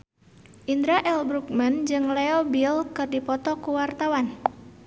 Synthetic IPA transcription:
ʔind̪ɾaʔɛlbɾuk̚mənd͡ʒɨŋlɛɔbilkɨrdipɔt̪ɔkuwart̪awan

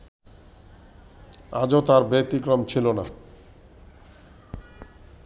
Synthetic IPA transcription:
ad͡ʑot̪aɾbet̪ikɾomt͡ɕʰilona

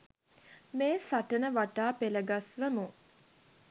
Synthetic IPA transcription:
meːsaʈənəʋaʈaːpeləɡasʋəmu

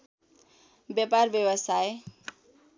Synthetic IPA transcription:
bjaparbjʌwʌsaj

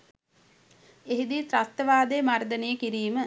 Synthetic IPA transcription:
eɦid̪it̪ɾast̪əʋaːd̪ejmard̪ənejəkiɾiːmə

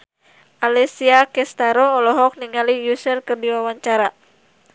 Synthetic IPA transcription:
ʔalɛsiakɛst̪aɾɔːlɔɦɔk̚niŋalijusɛlkɨrdiwawaɲt͡ʃaɾa

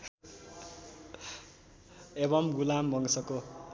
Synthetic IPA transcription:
eβʌmɡulambʱʌŋsʌko

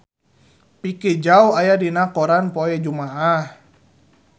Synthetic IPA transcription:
piked͡ʒauajadinakɔɾanpɔɛd͡ʒumaʔah

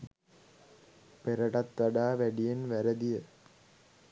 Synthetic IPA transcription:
pɛɾɐɽɐt̪ːɐɽaːʋɐɽijɐnʋɐɾɐd̪ijɐ

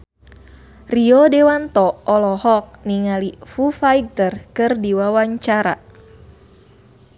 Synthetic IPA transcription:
riɔdewant̪ɔɔlɔhɔk̚niŋalifufajɡ̚t̪ərkɨrdiwawaɲt͡ʃaɾa̰

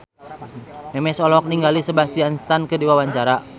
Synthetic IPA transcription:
mɛmɛsɔlɔk̚niŋɡalisəbast̪ianst̪ankɨdiwawaɲt͡ʃaɾa

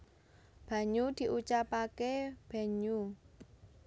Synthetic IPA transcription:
b̥a̤ɲud̪̥i̤ʔut͡ʃapakeb̥a̤ɲu

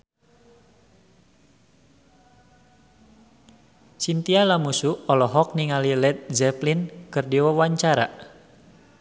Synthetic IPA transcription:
sint̪ialamusuɔlɔɦɔk̚niŋalilɛt̪̚zɛplinkɨrdiwawaɲt͡ʃaɾa

